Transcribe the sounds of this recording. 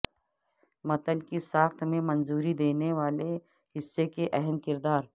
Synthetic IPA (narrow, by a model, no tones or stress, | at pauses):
mɐt̪əlkisaːxt̪ʰmẽmɐ̃nzuːɾid̪eːneʋaːle | ɦɪsːekeʔɛɦənkɪɾd̪aːɾ